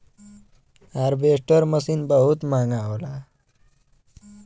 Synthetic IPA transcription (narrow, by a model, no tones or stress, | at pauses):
aɾbeʂʈəɾməsiːnbəɦut̪maŋɡaʋla